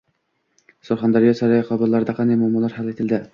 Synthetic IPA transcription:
soɾχɑnd̪ɑɾijɑsɑɾɑjiqʰɑbəɾlˠɑɾd̪ɑqʰɑnɑjmɑmɑlˠɑɾhɑlˠet̪ʰɪlʲd̪ɪ

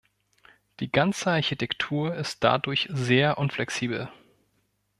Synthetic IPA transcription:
d̥iːɡant͡səaɐçitʰɛktʰuːɐɪst̚d̥a̰dʊɐçzeːɐʔʊnflɛksiːbl̩

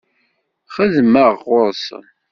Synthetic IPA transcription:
χəðməʁʊɾs

